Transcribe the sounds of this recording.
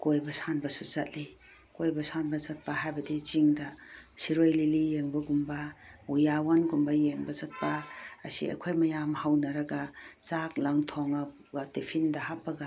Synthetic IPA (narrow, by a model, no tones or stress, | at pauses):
kojbasanbɐsuzat̚li | kojbasanbɐzat̚paɦajbɐdiziŋdasiɾojlilijeŋbɐɡumbaujawanɡumbajeŋbɐzat̚pa̰ːsḭa̰kʰojmɐjamhawnaɾaɡazaklaŋtʰoŋa | ɡatepʰindɐhap̚ːaɡa